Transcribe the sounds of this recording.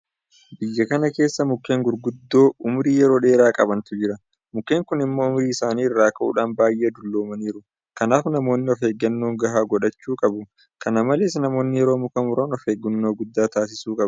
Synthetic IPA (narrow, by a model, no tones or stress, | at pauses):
bɪjːɐkɐnɐke̞ːsːɐmʊkːe̞ːŋɡʊɾɡʊd̪ːo̞ːʔʊmɾiːjɛɾo̞ːᶑe̞ːɾaːkʼɐbɐnt̪ʊd͡ʒɪɾɐ | mʊkːe̞ːŋkʊnɪmːoːʊmɾiːɪsaːniːɪrːaːkɐʔṵːᶑaːnbaːjʔeːd̪ʊlːo̞ːmɐniːɾʊ | kɐnaːfnɐmo̞ːnːɪɔfhe̞ːɡːɐnːoːŋɡɐɦaːɡɔᶑɐt͡ʃːuːkʼɐbʊ | kɐnɐmɐleːs̬nɐmo̞ːnːɪjɛɾo̞ːmʊkɐmʊɾoːnɔfheːɡːʊnːo̞ːɡʊd̪ːaːt̪aːs̬ɪsuːkʼɐb